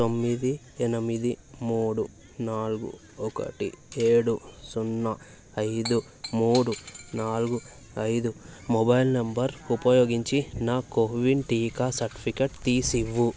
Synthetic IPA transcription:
t̪omːid̪i | ɛnɐmid̪imuːɽu | naːluɡṵ | ɔkɐ̰ʈḭeːɽusunːɐ | ɐjd̪u | muːɽunaːluɡu | ɐjd̪umɔbɐjlnɐmbɐɾupɐjoːɡiɲt͡ʃinaːkoːʋinʈiːkaːsɐɾʈi̥pʰikeʈt̪iːsiʋːu

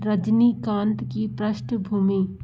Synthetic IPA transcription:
ɾəd͡ʒnikãːnt̪kipɾəʃʈbʱuːmiː

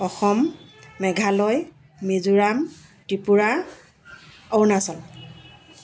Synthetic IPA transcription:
ɔxɔmːɛɡʱalɔjː | ezuɹamtipuɹa | ɔwnasɔl

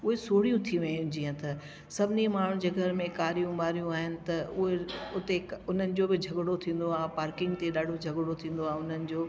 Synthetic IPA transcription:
ʊɦesoːɽijũt̪ʰiʋɐjũd͡ʑĩːə̃t̪ɐ | sɐbʱɪnimaːɳ̤ũd͡ʑɐɡʱəɾmẽkaːɾijũmaːɾijũaːɦɪnɪ̆t̪ɐʊɦeʊt̪eʊn̤ənɪ̆d͡ʑoːbɪd͡ʑʱɐɡɽot̪ʰĩːn̆d̪oaːẽpaːɾkɪ̃ŋɡ̚t̪eɗaːɖʱod͡ʑʱɐɡɽot̪ʰĩːn̆d̪oaːɦeʊn̤ənɪ̆d͡ʑoː

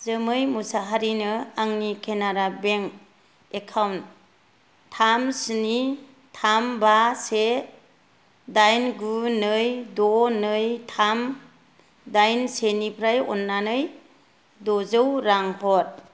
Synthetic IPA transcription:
zɯmɯjmusaɦaɾinɯaŋnikʰenaɾabeŋ | ekʰawnt | tʰamsɯni | tʰambase | dajnɡunɯjdɔnɯjtʰam | dajnsenipʰɾajɔ̰nːanɯj | dɔzɯwɾaŋhɔt̚

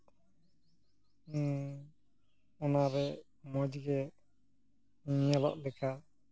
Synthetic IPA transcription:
ɔnaɾɛ | mɔd͡ʒiɡɛ | ɲalɔ̰ʔlɛkʰa

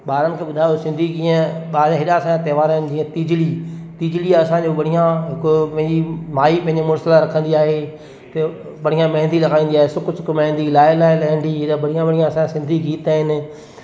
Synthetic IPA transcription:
ɓaːɾənɪ̆kʰeːɓʊd̪ʱaːjosɪ̃nd̪ʱid͡ʑĩːə̃ɓaːɾɦɪɗasããt̪ɐːʋaːɾaːɦɪnɪ̆d͡ʑiːə̃t̪id͡ʑlit̪ɪːd͡ʑliaɐsãd͡ʑoɓɐɽ̤ijãɦɪkʊpɦɪ̃ɲd͡ʑimaːipɐ̃ɪ̃ɲd͡ʑemʊɾsɪlaɾɐkʰə̃nd̪iaːɦe | t̪e | ɓɐɽ̤ijãmɐ̃ɦɪ̃nd̪ʱilɐɡaːĩːnd̪iaːɦesʊkʊsʊkmɐ̃ɦɪ̃nd̪ilaːɪlaːɪlɐɦĩːnd̪iɦɪɗabɐɽ̤ijãɓɐɽ̤ijãɐsããsɪ̃nd̪ʱiɡiːt̪aːɦɪnɪ̆

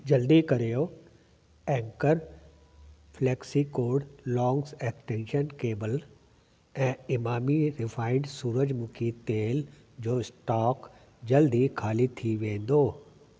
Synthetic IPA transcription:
d͡ʑɐld̪ikɐɾijo | ɛ̃ːŋkəɾ | flɛːksikoːɾɖlɔ̃ːŋsɛːkʈẽːnʃənkeːbəl | ɛ̃ːɪmaːmiɾɪfʰaːɪɳɖsuːɾəd͡ʑmʊkʰit̪eːl | d͡ʑoːɪsʈaːk | d͡ʑɐld̪ikʰaːlit̪ʰiʋẽːn̆d̪oː

